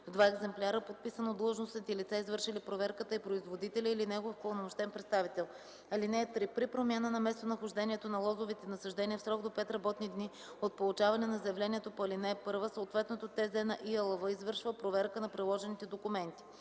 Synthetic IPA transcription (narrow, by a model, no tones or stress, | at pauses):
vd̪vaɛɡzɛmplʲaɾəpot̪̚pisənod̪lˠəʒnosit̪ɛlit̪saizvɤɾʃilipɾovɛɾkət̪əipɾoizvod̪it̪ɛlʲəilinɛɡofkolˠɐnomoʃt̪ɛnpɾɛt̪st̪avit̪ɛlˠ | ɐlinɛːt̪ɾipɾipɾomʲjanənɐmɛst̪onɐxʊʒd̪ɛnʲiɛt̪onɐlˠɔzovit̪ɛnɐsɐʒd̪ɛniəfsɾɔɡd̪opɛt̪ɾɐbɔt̪nid̪ni | ot̪̚polˠut͡ʃavɐnɛnɐzəjɛvlɛniɛt̪opoɐlinɛpɤɾvəsoot̪vɛt̪not̪ot̪ɛzɛnɐʔiəlˠovəizvɤɾʃvəpɾovɛɾkənɐpɾilˠɔʒɛnit̪ɛd̪okʊmɛnt̪i̥